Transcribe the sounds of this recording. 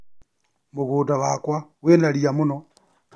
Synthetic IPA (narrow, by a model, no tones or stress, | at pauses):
muɣuːdaβakwaɣwenaliamuno